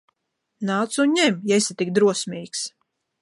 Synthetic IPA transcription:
naːt̪sunɲɛmjaisat̪ik̚d̪ɾuɔsmʲiːks

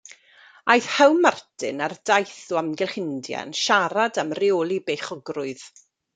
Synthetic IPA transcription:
ajθhɛwmartʰɪnardajθʊamɡɛlχɪndja̰nʃaɾadamrɪɔːlˠibeχɔɡrʊɨð̥

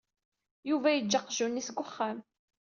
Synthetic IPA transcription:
juvæjəd͡ʒːɑqʒunːisɡʷʊχːæm

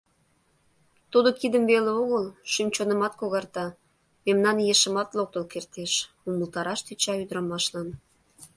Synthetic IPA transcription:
t̪ud̪okid̪əmveleoɣəlʃymt͡ɕonə̆mɑt̪̚koɣɑrt̪ɑ | memnɑnjeʃə̆mɑt̪lok̚t̪əlkert̪eʃ | uməlt̪ɑɾɑʃt̪yt͡ɕɑyd̪əɾɑmɑʃlɑn

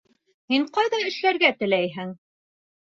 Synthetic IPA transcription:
miɴqɑjðɑjɘ̆ʃlæɾɡæt̪ɘ̆læjɦɘŋ

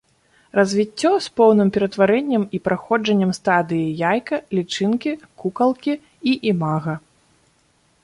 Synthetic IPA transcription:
rɐzʲvʲit͡sʲːɔspɔwnɨmpʲɛɾɐt̪vaɾɛnʲːɐmipɾaxɔd͡ʐɐnʲːɐmst̪ad̪ɨjijajkɐlʲit͡ʂɨnkʲikukɐlˠkʲi | iʔimaɣɐ

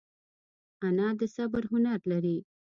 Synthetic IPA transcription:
anɑd̪əsabəɾɦʊnaɾlaɾi

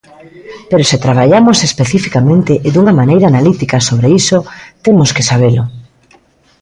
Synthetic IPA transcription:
peɾoset̪ɾaβ̞aʎamosespeθifikamẽnt̪eʔɪd̪uŋamanejɾaːnalit̪ikasoβ̞ɾeisot̪emoskesaβ̞elo

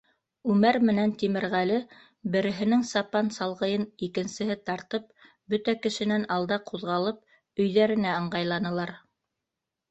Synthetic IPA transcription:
ʉmæɾmɘ̆nænt̪imɘ̆ɾʁælɘ | bɘ̆ɾɘ̆ɦɘ̆nɘŋsɑpɑnsɑlˠʁɤ̆jɤnikɘ̆nsɘ̆ɦɘt̪ɑɾt̪ɤp̚ | bɵt̪ækɘ̆ʃɘ̆nænɑlˠd̪ɑqʰuðʁɑlˠɤp̚ | ɵ̆jðæɾɘ̆næɤ̆ɴɢɑjlˠɑnɤ̆lˠɑɾ

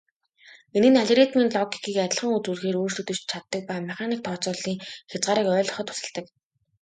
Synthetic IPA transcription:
enɘ̆naɮʲɾit̪miːnɮɔɡikʰiːkæt̪ʲɪ̆ɮχə̆ŋut͡suːɮxeːɾoːr̥tɵt̪ɵ̆t͡ɕt͡ɕʰat̪ːə̆k̚pæːmaχʲaːniːk̚t̪ʰɔːt͡sʊːɮiːŋxʲat͡sɢaːɾiːkœːɮɞχɞ̆t̪ʰʊ̥sə̆ɮt̪ə̆k

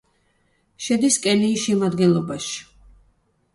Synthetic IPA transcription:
ʃɛd̪iskʼɛliʃɛmad̪ɡɛnlˠɔbaʃi̥

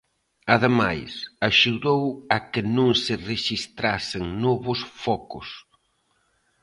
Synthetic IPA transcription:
aðemajsaʃuðowakɪnõŋsɪreʃist̪ɾasɪŋnɔβʊsfɔkʊs

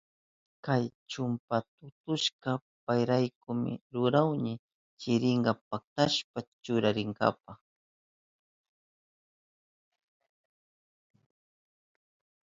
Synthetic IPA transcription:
kajt͡ʃʊmpat̪ʊt̪ʊʃɢɑ | pajɾajkʊmɪ̰ɾʊɾawɲɪ | t͡ʃɪɾɪɴɢɑpak̚t̪aʃpat͡ʃʊɾaɾɪŋɡa̰pɑχ

